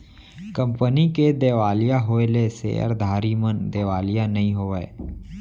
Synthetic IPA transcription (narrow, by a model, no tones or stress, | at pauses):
kə̃mpəniked̪eːʋaːlijaɦoelesḛə̰ɾd̪ʱaːɾimənd̪eːʋaːlijanɐɦĩɦoːʋee